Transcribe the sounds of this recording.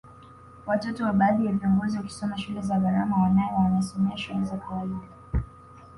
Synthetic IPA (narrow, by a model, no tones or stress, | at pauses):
watɔtɔwaɓaːɗijaviɔŋɡɔziwaki̥sɔmaʃulɛzaɡaɾamawanajɛwanaisɔmɛaʃulɛzakʰawaiɗa